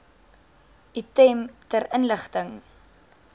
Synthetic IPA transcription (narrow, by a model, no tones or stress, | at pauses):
itɛmtərənləχtəŋ